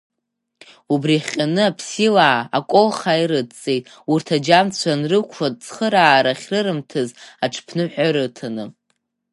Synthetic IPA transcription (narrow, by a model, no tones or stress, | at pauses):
ubriχʲʼanɨapʰsila̰ːkʷʼolχaiɾɨdt͡sʼe̞jtʼ | urtʰad͡ʒamt͡sʷʰanrɨkʷʰʂat͡sʰχəɾaːɾaχʲrɨɾɨmtʰɨzaʈ͡ʂʰpʰnɨħʷᶣaɾɨtʰanɨ